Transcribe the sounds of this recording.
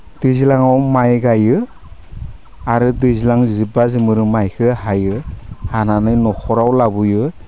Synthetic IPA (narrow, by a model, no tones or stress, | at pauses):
d̥ujzilaŋawmajɡajɯ | aɾɯdujzilaŋzɯbazɯmɯɾɯmajkʰɯɦajɯhananɯjnɔkʰɔɾawlabujɯ